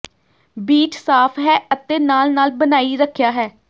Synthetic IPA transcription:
biːt͡ʃsaːpʰɦɛːʔət̪eːnaːlnaːlbənaːiːɾəkʰːjaːɦɛː

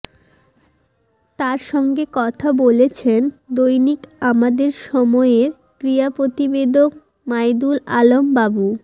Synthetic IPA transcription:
t̪aɾʃɔŋɡekɔt̪ʰabolet͡ɕʰend̪ojnikamad̪eɾʃɔmɔeɾ | kɾiapɾot̪ibed̪ok̚ | majd̪ula̰lombabu

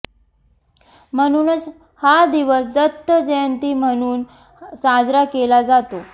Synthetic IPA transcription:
m̤əɽ̃uːnət͡s | had̪iʋəs̬d̪ət̪ːəd͡ʑent̪iːm̤əɽ̃uːn | sad͡zɾakelad͡zat̪o

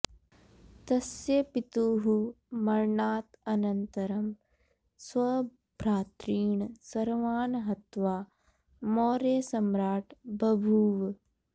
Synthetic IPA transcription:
t̪ɐsjɐpit̪uːɦu | mɐɾɳaːt̪ɐnɐnt̪ɐɾɐm | sʋɐ | bɾaːt̪ɾiːɳsɐɾʋaːnɦɐt̪ʋaː | moːɾeːsɐmɾaːʈbɐbʱuːʋ

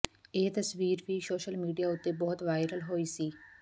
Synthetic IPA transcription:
eːt̪əsʋiːɾʋiːsoːʃəlmiːɖijaːʊt̪ːeːbɔːt̪ʋaːɪɾəlɦoːiːsiː

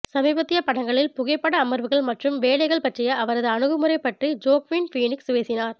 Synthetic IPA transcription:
sɐmiːbɐt̪ːɪjɐpɐɽɐŋɡɐɭɪlpʊɣɐɪpːɐɽɐːmɐɾʋɯɣɐɭmɐʈrɯmʋeːɭɐɪɣɐɭpɐʈrɪjɐːʋɐɾɐðɯɐɳɯɣɯmɯɾɐɪpːɐʈrid͡ʒoːkʋinfiːnɪksʋeːsɪnaːɾ

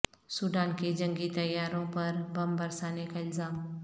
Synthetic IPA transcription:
suɖ̪aːnked͡ʒɐ̃ŋɡit̪ɐjːaːɾõpɐɾbɐmbɐɾsaːnekaɪlzaːm

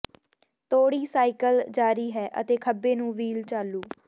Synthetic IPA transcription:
t̪oːɽiːsaːɪkəld͡ʒaːɾiːɦɛːʔə̰t̪eːkʰəbeːnũːʋiːlt͡ʃaːluː

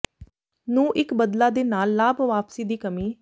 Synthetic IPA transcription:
nũːʔɪkbəd̪laːd̪eːnaːlːaːbʋaːpsiːd̪iːkəmiː

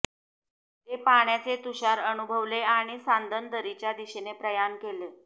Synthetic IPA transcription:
t̪epaɳjat͡set̪uɕaɾənubʱəʋleaɽ̃isand̪ʱənd̪əɾit͡ɕjad̪iɕenepɾəjankele

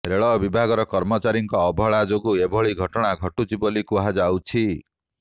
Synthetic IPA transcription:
ɾeɭɔbibʱaɡɔɾɔkɔɾmɔt͡ʃaɾiŋkɔːbʱɔɭad͡ʒoɡuebʱɔɭiɡʱɔʈɔɽ̃aɡʱɔʈud͡ʒibɔlikuɦad͡ʒawt͡ʃʰi

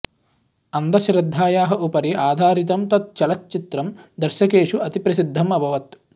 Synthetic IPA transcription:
ɐnd̪ɐʃɾɪd̪ʱːaːjaːɦɐʔupɐɾiaːd̪ʱaːɾit̪ɐmt̪ɐt̪̚t͡ʃɐlɐt̪̚t͡ʃit̪ɾɐmd̪ɐɾʃɐkeːʂuɐt̪ipɾɐsid̪ʱːɐmɐbʱɐʋɐt̪

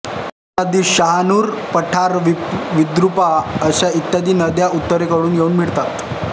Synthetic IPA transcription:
ad̪iːɕəɦanuːɾpəʈʰaɾʋʋid̪ɾupaəɕait̪jad̪iːnəd̪jaut̪ːəɾekəɽuːnjeuːnmiɭt̪at̪

